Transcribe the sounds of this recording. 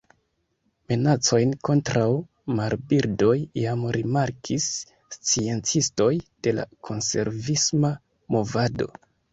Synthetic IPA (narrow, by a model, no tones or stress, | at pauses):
me̞nat͡so̞jnko̞ntɾaw | maɾbiɾdo̞jjamɾimaɾkʰisː | t͡sie̞nt͡sisto̞jd̥e̞la̰kʰo̞nse̞̰ɾvisma | mo̞vado̞̰